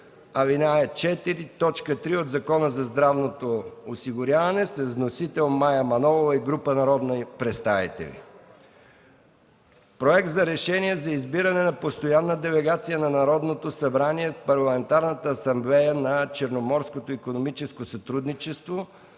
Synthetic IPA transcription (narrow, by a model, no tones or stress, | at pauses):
ɐvinaɛt͡ʃɛt̪iɾit̪ɔt͡ʃkət̪ɾiod̪zɐkɔnəzɐzd̪ɾavnot̪oosiɡʊɾjavɐnɛsɛvnosit̪ɛlˠmajɐmɐnɔvovɐiɡɾupənɐɾɔd̪nɐpɾɛst̪avḭt̪ɛ̰lḭ | pɾoɛk̚t̪zɐɾɛʃɛnʲiɛzɐizbiɾɐnɛnɐpost̪ojanːəd̪ɛlɛɡat̪sijənɐnɐɾɔd̪not̪osɐbɾaniɛt̪pɐɾlˠɐmɛnt̪aɾnət̪əːsɐmblɛjənɐt͡ʃɛɾnomɔɾskot̪oikonomit͡ʃɛskosɐt̪ɾud̪nit͡ʃɛst̪vo